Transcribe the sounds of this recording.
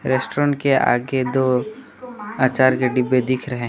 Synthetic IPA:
ɾesʈoɾə̃ɳʈkea̰ːɡed̪oː | aːt͡ʃaːɾkeɖɪbːed̪ɪkʰɾɐɦẽ

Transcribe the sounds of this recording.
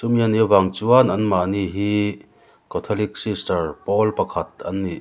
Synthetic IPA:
sumiənivaŋt͡suənʔɐnmaʔniʔɦi | kɔt̪ʰɔlik̚sistɐrpɔlpɐkʰɐt̪̚ʔɐnːiʔ

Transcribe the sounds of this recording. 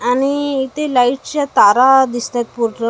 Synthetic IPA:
aniːt̪elaiʈt͡ɕat̪aɾad̪ist̪at̪̚puɾʈə

